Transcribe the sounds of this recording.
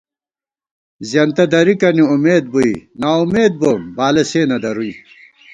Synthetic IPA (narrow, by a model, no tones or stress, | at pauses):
zjɐnt̪ɐd̪ɐɾikɐniumeːd̪̚buinaːumeːd̪̚bombaːleseːnɐd̪ɐɾui